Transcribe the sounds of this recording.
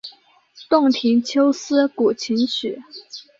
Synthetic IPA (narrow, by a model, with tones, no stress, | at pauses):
t̪ʊ˥˩ŋt̪ʰi˧˥ŋt͡ɕʰjo˥ʊsɹ̩˥ku˨˩t͡ɕʰi˧˥nt͡ɕʰy˨˩˦